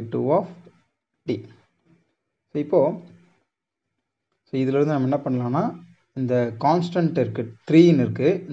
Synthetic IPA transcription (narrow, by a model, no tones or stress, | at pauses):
ʈːṵːaːf | ʈḭː | soːɪpːoː | soːɪðɯlɐɾɯnɯnɐmːɐɛnːɐpɐɳːɐlãːnːaː | ɪnd̪ɐkaːnsʈɐɳʈɪɾɯkːɯt̪ɾiːɪnɪɾɯkːɯn